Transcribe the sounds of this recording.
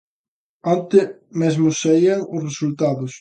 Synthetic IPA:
ant̪ɪ | mezmʊsːaiaŋʊsresult̪aðʊs

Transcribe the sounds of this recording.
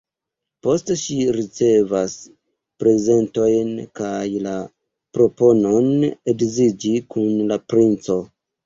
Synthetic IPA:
po̞stʃiɾit͡se̞vas | pɾe̞ze̞nto̞jnkajla | pɾo̞po̞no̞ne̞ɡzid͡ʒikunlapɾint͡so̞

